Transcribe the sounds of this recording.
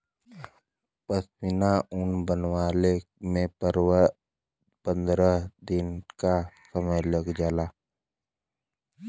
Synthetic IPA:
pəsmɪnaʊnbənwaːle | mẽpəɾwə | pə̃nd̪ɾəd̪ɪnkasəməjləɡd͡ʒaːlaː

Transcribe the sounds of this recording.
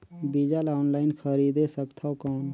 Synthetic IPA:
biːd͡ʒalaːnlaːɪnkʰəɾiːd̪esəkt̪ʰaokɔːn

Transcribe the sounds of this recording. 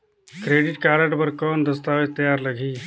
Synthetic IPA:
kɾeːɖɪʈkaːɾəʈbɐɾkɔːnd̪ɐst̪aːʋet̪ːɐjaːɾlɐɡʱiː

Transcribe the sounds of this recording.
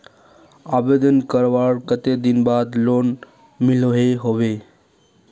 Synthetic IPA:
abed̪ənkəɾʋaɽkət̪ed̪inbad̪lon | miloɦeɦoʋe

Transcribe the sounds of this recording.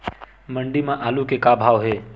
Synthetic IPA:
məɳɖimãʔaːlukekabʱaːʋɦeː

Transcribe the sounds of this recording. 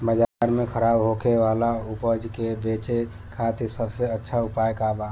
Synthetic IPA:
məd͡ʒaɾmekʰəɾaːbɦokʰeʋalaupəd͡ʒkebet͡ʃe | kʰat̪ʰisəbseətːʃʰaupajkaba

